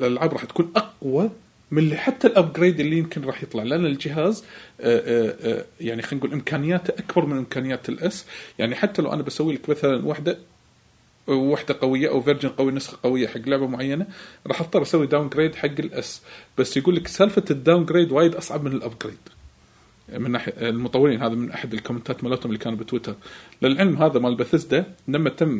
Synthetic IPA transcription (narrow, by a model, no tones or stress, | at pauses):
lalʕaːbɾˤɑːħt̪kuːnʔɑqwɑ | mɪħat̪ːalʔab̚ɡɾeːd̪ʔɪlːijɪmkɪnɾˤɑːħjɨt̪ˤlɑʕlʔanːald͡ʒɪɦaːz | jaʕnixaːnɡuːlʔɪmkʰaːnɪjːaːt̪ʔakbɑɾˤmɪnʔɪmkaːnɪjːaːt̪ɪlʔasjaʕniħat̪ːala̰wʔa̰nabasawːilakmaθalanwaħd̪a | wːaħd̪aqɑwɪjːaʔawvɪɾd͡ʒɪnqawinʊsxaqɑwɪjːaħaɡːlʊʕbamʊʕajːanaɾˤɑːħʔɑft̪ˤɨɾˤʔasawːid̪awnɡɾeːd̪ħaɡːɪlʔa̰sb̥asːjaɡuːlːaksaːlfad̪ːaːwnɡɾeːd̪waːjɪd̪ʔɑsˤʕɑbmɪnɪlʔab̚ɡɾeːd̪̥ | mɪnːaːħjalmʊt̪ˤɑwːɪliːnɦaːðamɪnʔaħad̪ɪlkʊmɪnt̪aːt̪malaːt̪hʊmʔlːikʰaːnbɪt̪wɪt̪ɑɾˤlɪlʕɪlmɦaːðamalbaθɪzd̪alamːat̪ɪmː